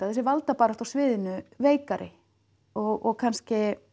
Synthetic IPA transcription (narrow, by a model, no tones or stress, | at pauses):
aθɛsɪɾvalt̪apaːɾat̪awsvɪːðɪnʏveːjkaɾʔɪ̰ | ɔɣɔɣkʰanscɪ